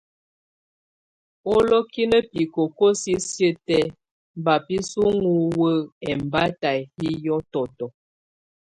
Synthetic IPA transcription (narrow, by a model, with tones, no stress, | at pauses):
o˦lɔ˦ki˦nə˦pi˨ko˨ko˦si˦sjə˦tɛ˦ | m˨ba˨pi˦su˦ŋu˦wə˦ɛ˨m˨ba˦ta˨jhi˦jɔ˦tɔ˨tɔ˨